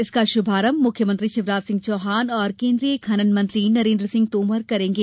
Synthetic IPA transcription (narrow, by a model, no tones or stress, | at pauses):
ɪskaʃʊbʱaːɾəmːʊkʰjəmə̃nt̪ɾiʃɪʋɾaːzsɪ̃ŋɡ̚t͡ʃɔːɦaːnɔːɾkẽːnd̪ɾijəkʰɐnənmɐ̃nt̪ɾinɐɾẽːnd̪ɾəsɪ̃ŋɡ̚t̪oːmɐɾkɐɾẽːŋɡeː